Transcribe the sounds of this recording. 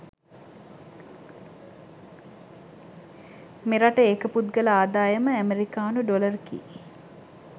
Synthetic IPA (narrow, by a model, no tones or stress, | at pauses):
meɾaʈəekəput̪ɡələaːd̪aːjəməæmeɾikaːnuɖolərkḭ